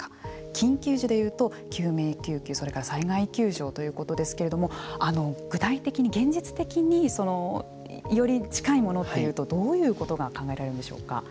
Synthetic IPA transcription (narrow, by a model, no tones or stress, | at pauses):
ḁ | kʲĩŋkʲɨːʑid̪e̞jɯ̟ːt̪o̞ | kʲɨːme̞ːkʲɨːkʲɨːso̞ɾe̞kaɾasaiɡaikʲɨːʑo̞ːt̪o̞jɯ̟ːko̞t̪o̞d̪e̞sɨ̥ke̞ɾe̞d̪o̞mo̞ano̞ɡ̥ɯ̟t̪ait̪e̞kʲiɲ̟iɡẽ̞ɲ̟d͡ʑit͡sɨ̥t̪e̞kʲiɲ̟iso̞no̞ | jo̞ɾʲit͡ɕi̥kaimo̞no̞t̪ːe̞jɯ̟ːt̪o̞d̪o̞ːjɯ̟ːko̞t̪o̞ɡakãŋɡaeɾaɾeɯnd̪eɕo̞̰ːka̰